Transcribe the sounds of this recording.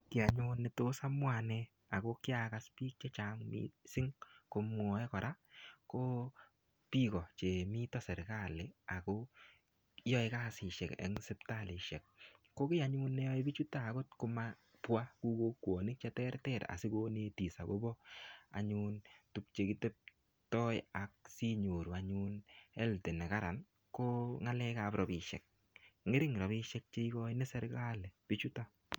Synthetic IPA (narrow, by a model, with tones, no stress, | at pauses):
kɪ˨a˨ɲu˦nːɛ˨to˦sa˦mwa˨nɛ˦ | a˨ko˦kɪ˦a˨ka˨spiː˦k̚t͡ʃɛ˦t͡ʃa˨ŋmḭsɪ˦ŋko˧mɔ˨ɛ˦kɔ˨ɾa˦ko˦ | pi˦kɔ˨t͡ʃe˨mi˦tɔ˦sɛ˨ɾka˦˨le˨a˨ko˦ | jɔ˦ɪ˦ka˦sɪ˨ʃɛ˨kɛ̰˨ŋsɪ˦pta˦˨lɪ˨ʃɛ˨k̚ː | o˦kɪ˦a˨ɲu˦nːɛ˦jɔ˦ɪ˦bi˦t͡ʃu˦ta˦˨ko˦tkʊ˧ma˦ | pwa˦ku˦ko˦kwɔ˨nɪ˦k̚t͡ʃɛ˦tɛ˦rtɛ˦ta̰˨sɪ˦ko˦ne˦ti˨sa˨ɡo˦bɔ˦a̰˨ɲu˦ntu˦k̚t͡ʃe˨ki˦te˦p̚ | tɔ˦ja˨k̚si˦ɲo˨ɾu˨aɲu˦nɛ˦lte˨nɛ˨ka˦ɾa˨n | ko˦ŋa˦lɛ˦kapɾɔ˨bɪ˨ʃɛ̰˨k̚ | ŋe˦ɾɪ˦ŋɾɔ˨bɪ˦ʃɛ˦k̚t͡ʃe˦i˦kɔ˦inɛ˦sɛ˦ɾaː˦lɛ˨pi˦t͡ʃu˦ta˦